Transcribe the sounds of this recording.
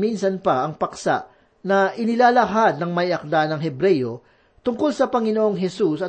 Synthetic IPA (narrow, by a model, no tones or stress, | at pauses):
minsɐnpɐʔɐŋpɐksa̰ʔ | nɐʔɪnɪlaːlɐɦad̪nɐŋmɐjɐk̚d̪anɐŋɦɛbɾɛjo̞ | t̪ʊŋko̞lsɐpɐŋɪnoʔo̞ŋɦɛsusɐ